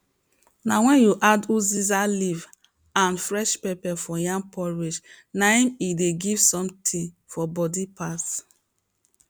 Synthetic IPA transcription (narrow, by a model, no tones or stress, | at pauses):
nawɛ̃njuʔaduzizaliv | ãnfɹɛʃpepɛfɔjãŋpʰɔɹid͡ʒ | naĩmideɡivsɔ̃mtʰĩ | fɔbɔdipas